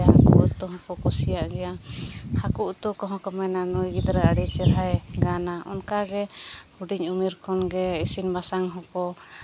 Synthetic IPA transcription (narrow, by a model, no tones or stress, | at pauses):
ɦakṵʔt̪ɔɦɔ̃pɔkɔsijaʔɡɛjahakuʔt̪ɔkɔɦɔ̃kɔmɛnanɔjɡid̪ɾaəɽit͡ʃɛɾɦajɡanaʔɔ̰nkaɡɛhuɖiɲumiɾkʰɔnɡɛisinbasaŋɦɔ̃kɔ